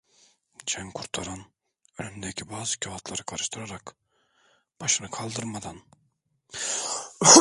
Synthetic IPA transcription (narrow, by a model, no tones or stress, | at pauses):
t͡ʃʰæŋkʰuɾt̪ʰɑɾɯn | ølymd̪ɛkʲʰibɑːzɨkʲʰaɦɑt̪ʰlˠɑɾɯkʰɑɾɯʃt̪ʰɯɾɑɾɑk | b̥ɑʃɯnɯkʰɑlˠd̪ɯɾmad̪ɑn